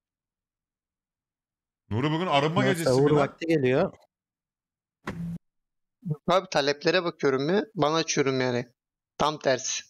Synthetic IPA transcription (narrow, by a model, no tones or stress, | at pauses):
nuɾɯbɯɡɯnaɾɯmːaɡed͡ʒeuɾvak̚t̪ʰiɡelʲijo | mukʰabt̪ʰalʲɛplʲeɾɛbakʰɯjo̞ɾumːɪbanaɯt͡ʃʰyjoɾumjanɪ | t̪ʰamt̪ʰæɾs